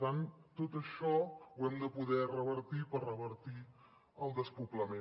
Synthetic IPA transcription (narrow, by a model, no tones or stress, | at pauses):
t̪ant̪ot̪əʃɔwɛmd̪əpuðɛrəβəɾt̪ipərəβəɾt̪i | əlˠd̪əspupləme